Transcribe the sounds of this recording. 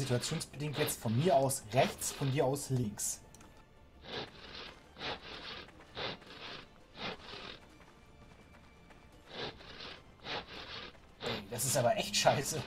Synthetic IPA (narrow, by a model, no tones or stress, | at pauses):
zituat͡sjoːnsb̥ədɪŋktjɛt͡stfɔnmiːɐʔaʊsʁɛçt͡sfɔndiːɐaʊslɪŋks | ʔɛd̥asɪstʔaːbɐʔɛçtʃaɪsə